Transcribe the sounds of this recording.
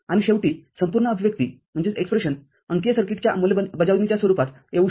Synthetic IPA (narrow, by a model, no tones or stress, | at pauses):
añiɕeʋʈiːsəmpuɾɳəəbʱiʋjək̚t̪ḭː | m̤əɳd͡zeekspɾeɕən | əŋkesəɾkiʈt͡ɕjamuleəbəd͡zaʋ̪nit͡ɕjasʋəɾupat̪ | eʋu